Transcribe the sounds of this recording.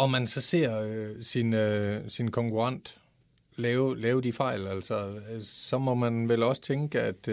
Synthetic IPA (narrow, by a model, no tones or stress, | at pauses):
ɒ̽mænsɒ̽se̝ɐ̰sinsinkʰɒ̽ŋkʰuʁɑ̈n̰d̥ | lɛːʊlɛːʊəd̥ifɑ̈ɪ̰læl̰sɒsɒ̽mɒ̽mænʋelɒ̽sə̥t͡sʰeŋɡ̥əæd̥